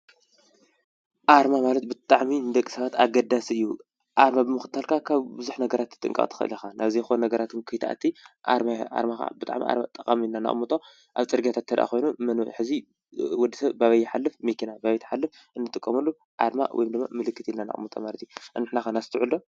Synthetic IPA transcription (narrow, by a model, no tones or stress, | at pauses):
ʔaɾmamalɐt̪̚bɨt̪ʼaʕmind̪ɐkʼːi̥sɐβat̪aɡɐd̪asiɨjːu | ʔaɾmabɨmɨxɨt̪ʰːalkʰakʰaβbɨzuħnɐɡɐɾat̪ːɨt̪ʼɨ̰ŋkʼa̰ʔʼt̪ʰɨ̥xɨ̰ʔɨ̰lixanʔaβzijxonnɐɡɐɾat̪ɨnkʰɨjt̪ʰa̰t̪ʰiʔa̰ɾmaa̰ɾmaxa̰bɨt̪ʼa̰ʕmḭʔa̰ɾmat̪ʼɐkʼamilnana̰χʼmut̪ʼo | ʔaβt͡sʼɨɾɡijat̪ʰat̪ʰːɐd̪ʔa̰xo̞jnumɐnħɨzi | wɔd̪ːɨsɐβbaβɐjːɪħalːɨfmekʰinabaβɐjt̪ʰɐ̥ħalːɨf | ʔɨnːɨt̪ʼɨkʼːɐmɐlːu | ʔa̰ɾma̰wɔ̰jimd̪ɨmːa̰mɨlɨkːɨt̪jilnːana̰χʼmut̪ʼo̰malɐt̪juɨnːɨħnaxanasɨt̪ʰɨʕuld̪o